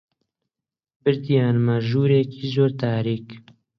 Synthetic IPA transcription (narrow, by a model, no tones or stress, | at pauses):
bɨɾd̪ijaːnmaʒuːɾeːkiːzoːɾt̪aːɾiːk